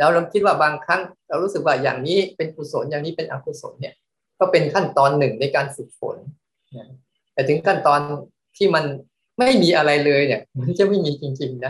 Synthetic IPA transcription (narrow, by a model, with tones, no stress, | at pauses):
lɛː˦˥wɾa˧mkʰi˦˥t̪̚waː˥˩baː˧ŋkʰa˦˥ŋɾa˧˩ɾuː˦˥sɯ˨˩k̚waː˥˩ja̰ː˨˩ŋniː˦˥pe˧nkʰu˧˩so˩˦njaː˨˩ŋniː˦˥pe˧nʔa̰ː˧kʰu˧˩so̰˩˦nːi˥˩ɐ | kɔː˥˩pe˧nkʰa˥˩nt̪ɔː˧nːɯ˨˩ŋna˧jkaː˧nsɯ˨˩k̪̚fo̰˨˩˦n | na˦˥ | t̪ɛː˨˩t̪ʰɯ˩˦ŋkʰa˥˩nt̪ɔː˧n | t̪ʰiː˥˩ma˧n | ma˥˩jmiː˧ʔa˧ɾa˧jlɤː˧jni˥˩ma˧nt͡ɕa˧˩ma˥˩jmiː˧t͡ɕi˧ŋt͡ɕi˧ŋna˦˥